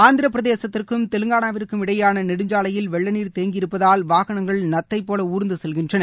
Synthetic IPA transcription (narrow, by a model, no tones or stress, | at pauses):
aːnd̪ɪɾɐpɪɾɐðeːsɐt̪ːɪrkɯmt̪ɛlɯŋɡaːnaːʋɪrkːɯmɪɽɐjaːnɐnɪɽɯɲd͡ʒaːlɐjɪlʋɛɭːɐniːɾt̪eːŋɡɪɾɯpːɐðaːlʋaːɣɐɳɐŋɡɐɭnɐt̪ːɐɪpːoːlɐuːɾɯnd̪ɯsɛlɣɪndrɐnɐ